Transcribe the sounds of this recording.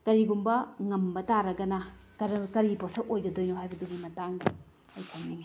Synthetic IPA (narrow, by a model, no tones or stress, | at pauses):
kɐɾiɡumbɐŋɐmbɐtaɾɐɡɐnɐkɐɾkɐɾiposɐk̚ojɡɐdojnohajbɐduɡimɐtaŋ | ɐjkʰɐŋni